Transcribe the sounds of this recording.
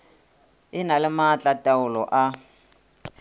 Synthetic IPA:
ɪnalɪmat͡ɬʼatʼaʊlɔʔa

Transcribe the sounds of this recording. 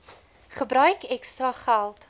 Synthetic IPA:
χəbɾœɥkɛkstrɐχælˠt

